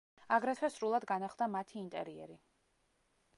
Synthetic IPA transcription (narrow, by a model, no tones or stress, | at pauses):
aɡɾɛt̪ʰwɛsɾulˠad̪ɡanaχlˠd̪amat̪ʰiːnt̪ʼɛɾiɛ̰ɾi